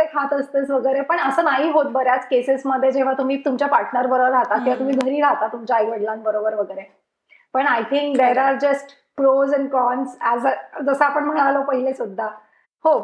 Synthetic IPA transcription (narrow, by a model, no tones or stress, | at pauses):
ekʰat̪əst̪əsʋəɡəjɾepəɳəsəːnaɦiːɦot̪̚bəɾjat͡skesesməd̪ʱːjed͡ʑeʋ̤at̪um̤iːt̪umt͡ɕjapaɾʈnəɾbəɾobəɾat̪akĩʋat̪um̤iːɡʱəɾiːɾat̪at̪umt͡ɕjaːjɡʋəɽlanbəɾobəɾʋəɡəjɾe | pəɳajt̪ʰiŋkd̪eɾaɾd͡ʑəsʈ | pɾozɛ̃nkɔnsɛzd͡zəsəapəɳm̤əɳalopəɦilesud̪ʱːa | ho